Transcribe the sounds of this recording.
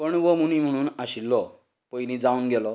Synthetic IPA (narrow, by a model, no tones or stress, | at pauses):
pəɳʋɔmunim̤əɽ̃uːnaɕilːɔ | pɔjnĩd͡zaunɡɛlɔ